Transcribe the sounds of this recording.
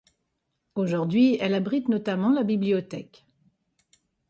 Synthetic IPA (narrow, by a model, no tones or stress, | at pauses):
oʒuʁd̪ɥiɛlabʁit̪nɔt̪amɑ̃labibliɔt̪ɛk